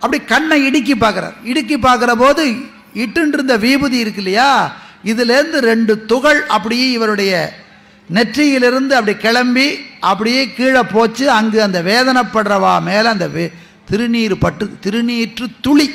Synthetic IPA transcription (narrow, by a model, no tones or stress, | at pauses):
ʔɐpːɐɽikɐɳːɐ̃ɪɽɯk̬ːip̬ːaːɾkɯɾa̰ːɾɪɽɯk̬ːip̬ːaːɾkɯɾɐpoːðɯ | ɪʈːɯnɪɾɯnd̪ɐʋiːbɯðiɪɾɯkːɪlːɐjaːɪðɪlɪɾɯnd̪ɯɾɛɳɖɯt̪ʊɣɐɭʔɐpːɐɽɪjeːɪʋɐɾɯɽɐjɐ | nɛʈrɪjɪlɪɾɯnd̪ɯɐpːɐɽikɛɭɐmbiʔɐpːɐɽɪjeːkiːɻɐpːoːt͡ʃːɯɐŋɡɯɐnd̪ɐʋeːðɐnɐpːɐɽrɐʋaːmeːlɐnd̪ɐʋe | t̪ɪɾɯniːɾɯpɐʈːɯt̪ɪɾɯniːʈrɯt̪ʊɭi